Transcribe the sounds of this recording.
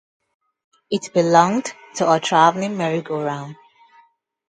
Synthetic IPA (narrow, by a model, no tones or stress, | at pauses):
ɪtb̥ɪlɔ̃ŋd | tʰəətʰɹ̥avl̩ɪ̃ŋmɛɹɪkʰoɹãʊ̃n